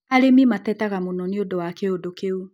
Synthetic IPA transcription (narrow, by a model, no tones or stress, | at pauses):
aɾemimatɛtaɣamonɔneodowakeodokeu